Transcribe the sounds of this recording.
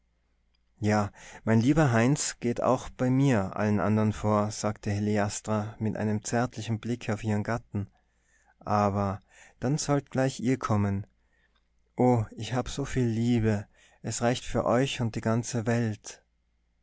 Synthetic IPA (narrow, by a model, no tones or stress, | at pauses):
jaːmaɪnliːbɐɦaɪnt͡sɡ̥eːta̰ʊxb̥aɪmiːɐʔa̰lənʔa̰ndɐʁənfoːɐz̥aːktʰəheleastʁ̥amɪtʔa̰ɪnəmt͡sɛɐtʰlɪçn̩blɪkʰaʊfʔiːʁənɡatn̩ | ʔaːbɐ | d̥anz̥ɔltɡ̥laɪçʔiːɐkʰɔmən | ʔoːɪçhaːbəz̥oːfiːlːiːbə | ʔɛsʁaɪçtfyːɐʔɔʏçʊnt̚d̥iːɡant͡səvɛlt